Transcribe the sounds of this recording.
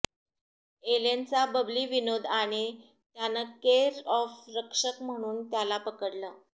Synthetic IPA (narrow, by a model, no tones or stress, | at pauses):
elent͡sabəbliːʋinod̪ʱaɽ̃e | t̪janəkeɾɔfɾəkʂəkm̤əɽ̃uːnt̪jalapəkəɽlə